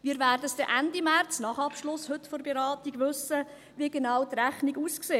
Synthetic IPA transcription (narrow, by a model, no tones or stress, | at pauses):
ʋiːɾvæːrdəsd̥ɛʔændimært͡snɑːχɑpʃlʊshɵtforbeɾɑːtiɡ̥ʋʏsə | ʋiɡenawtræχniɡuːskseː